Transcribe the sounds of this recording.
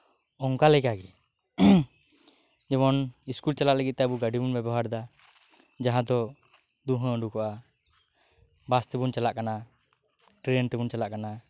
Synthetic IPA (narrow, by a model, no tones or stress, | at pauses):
ɔŋkalɛkaɡɛ | d͡ʒɛmɔniskult͡ʃalaʔləɡit̪̚t̪ɛəbuɡaɖibunbɛbɔɦaɾd̪a | d͡ʒaɦãd̪ɔ | d̪uɦə̃əɳɖukɔʔa | bast̪ɛbunt͡ʃalaʔkana | ʈɾent̪ɛbunt͡ʃalaʔkana